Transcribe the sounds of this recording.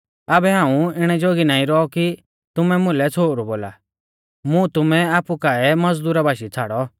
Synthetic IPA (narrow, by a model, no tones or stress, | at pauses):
aːbɛɦãːũɪɽ̃ɛd͡ʒoɡinaːĩɾɔɔki | t̪ʊmɛmʊ̃lɛt͡sʰoːɾuboːla̰ | mũt̪ʊmɛaːpukaɛmɐd͡zd̪uːɾabaːʃit͡sʰaːɽɔ